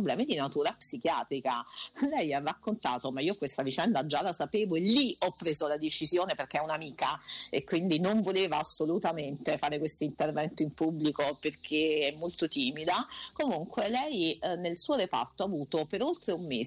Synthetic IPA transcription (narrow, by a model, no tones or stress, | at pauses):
oblɛːmid̪inat̪uːɾapsikjaːt̪ɾikalɛjarːakːont̪a̰ːt̪omaiːokwest̪avit͡ʃɛnd̪ad͡ʒːalasapeːvoeliɔpːɾeːzolad̪et͡ʃizjoːneperk̟eɛunamiːkaekːwind̪inoɱvoleːvaːsːolut̪ament̪efaːɾekwest̪oint̪ervɛnt̪oimpublikoperkkʰeɛmːolt̪ot̪iːmid̪akomuŋkwelɛjnelsuːoɾepa̰rt̪oavuːt̪opeɾolt̪ɾeumːeː